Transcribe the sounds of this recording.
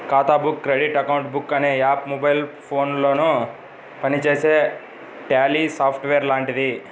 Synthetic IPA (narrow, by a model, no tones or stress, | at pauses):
kaːt̪aːbukːɾeɖiʈɐkɐwuɳʈbukːɐneːaːpmobɐjlpʰo̞ːnloːnu | pɐnit͡ʃe̞ːse̞ː | ʈaːlisaːpʰʈʋeːɾlaːɳʈid̪i